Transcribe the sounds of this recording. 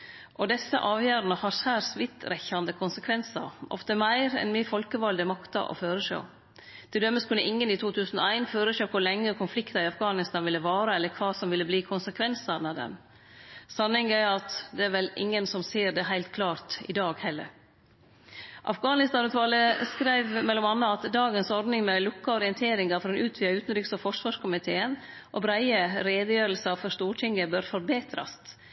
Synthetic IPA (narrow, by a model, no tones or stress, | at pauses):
ʔɔd̪ɛsːə̰ʔɑːʋjœːɾənəhɑɾsæːɾsʋɪt̪ɾɛçɑnd̪əkʰʊnsəkʰʋɛnsɑ̰ɾʔɔ̰ft̪əmæɪɾɛ̰nmifɔlkəʋɑld̪əmɑkt̪ɑ̰ʔɔ̰føːɾəʂo̰ː | d̪̥ɛd̪œmːəskʰʉnːəʔɪŋːənɪt̪ʰuːt̪ʰʉːsənɔ̰æɪnføːɾəʂøːkʰʊɾlɛŋːəkʰʊnflɪkt̪ɑɪɑfɡɑːnɪst̪ɑnʋɪlːəʋɑːɾəɛlːəɾkʰʋɑːsɔmʋɪlːəbliːkʰʊnsəkʰʋɛnsɑnɑd̪ɛ̰n | sɑnːɪŋæɑt̪d̪ɛæɾʋɛlɪ̰ŋːənsɔmseːɾd̪ɛɦæɪlt̪kʰlɑːɾt̪ɪ̰d̪ɑːɡhɛlːə̰ɾ | ʔɑ̰fɡɑːnɪst̪ɑnʉːt̪ʰʋɑːləskɾæɪʋmɛlːɔmɑnːəɑt̪d̪ɑːɡənsɔɾd̪nɪŋmɛlʊkːəɔɾɪənt̪ʰeːɾɪŋɑfɔɾɛnʉːt̪ʰʋyːɑʉːt̪n̩ɾʏksɔfɔʂʋɑːʂkʊmɪt̪ʰeːən | ʔɔbɾæɪəɾeːd̪əjøːɾəlsɑfɔɾʂt̪uːʈʰɪŋːəbœɾfɔɾbeːt̪ʰɾɑ̰st̪